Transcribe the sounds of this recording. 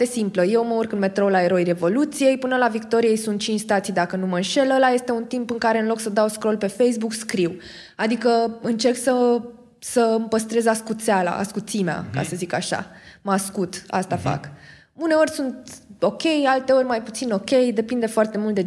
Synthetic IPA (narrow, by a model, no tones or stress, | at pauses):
t̪e̞simpləje̞wməurkɨnme̞t̪ɾolaeɾo̞jre̞vo̞lut̪sije̞jpɨnəlavikt̪o̞ɾije̞jsunt̪̚t͡ʃint͡ʃʲst̪at̪sijd̪akənumənʃe̞ləlaje̞st̪e̞unt̪impɨŋkaɾe̞ɨnlo̞ksəd̪awskɾo̞lpe̞fejsbukskɾiw | ad̪ikəɨnt͡ʃe̞rksə | səmpəst̪ɾe̞zaskut̪seala̰ʔa̰skut̪simea̰ka̰səzikaʃa̰maskut̪a̰st̪afa̰k | une̞o̞rʲsunt̪o̞kʲe̞jalt̪e̞o̞rʲmajput̪sino̞kʲe̞jd̪e̞pind̪e̞foart̪e̞mult̪d̪e